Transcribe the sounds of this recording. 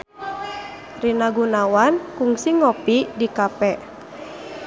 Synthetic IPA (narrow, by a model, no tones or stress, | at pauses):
rinaɡunawankuŋsiŋɔpidikapɛʔ